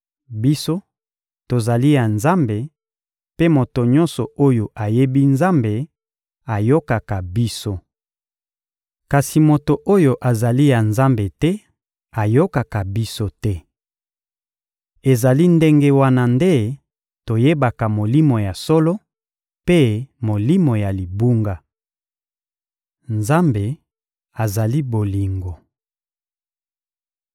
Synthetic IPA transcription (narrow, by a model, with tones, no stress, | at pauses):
bi˦so˦ | to˨za˨li˦ja˨nza˦mbe˨ | pe˦mo˨to˨ɲɔ˦nsɔ˨o˦jo˨ʔa˨je˦bi˦nza˦mbe˨ | a˨jo˦ka˨ka˨bi˦so˦ | ka˨si˨mo˨to˨ʔo˦jo˨ʔa˨za˨li˦ja˨nza˦mbe˨tɛ˦ | a˨jo˦ka˨ka˨bi˦so˦tɛ˦ | e˨za˨li˦nde˦ŋɡe˦wa˦na˨nde˦ | to˨je˦ba˨ka˨mo˨li˦mo˨ja˨sɔ˦lo˦ | pe˦mo˨li˦mo˨ja˨li˨bu˦ŋɡa˨ | nza˦mbe˨ | a˨za˨li˦bo˨li˨ŋɡo˨